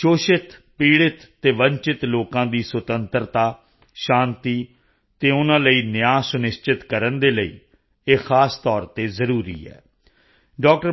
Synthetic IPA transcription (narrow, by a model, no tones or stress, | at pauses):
ʃoːʃɪt̪ | piːɽɪt̪ːeːʋəɲt͡ʃɪt̪loːkãːd̪iːswət̪ənt̪ɾt̪aː | ʃãːnt̪iː | t̪eːʊnãːləiːnɪjaːsʊnɪst͡ʃɪt̪kəɾənd̪eːləḭː | eːxaːst̪ɔːɾt̪eːzəɾuːɾḭːɛ̰ː | ɖɔːk̚ʈəɾ